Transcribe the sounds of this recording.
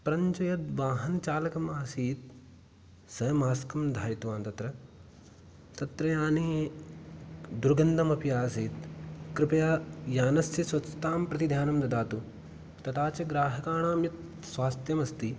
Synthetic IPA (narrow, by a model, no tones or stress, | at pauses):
pɐɾɐɲt͡ʃɐjɐt̪ʋaːɦɐnt͡ʃaːlɐkɐmaːsiːt̪̚ | sɐjɐmaːskɐmd̪ʱaːɾit̪uʋaːnt̪ɐt̪ɾɐ | t̪ɐt̪ɾɐjaːne | d̪uɾɐɡɐnd̪ʱɐmɐpijaːsiːt̪kɾɪpɐjaːjaːnɐst̪ɐsʋɐt̪sɐt̪aːmpɾɐt̪id̪ʱjaːnɐmd̪ɐd̪aːt̪u | t̪ɐt̪aːt͡ʃɐɡɾaːɦɐkaːɳaːmjɐt̪̚ | sʋaːst̪jɐmɐst̪i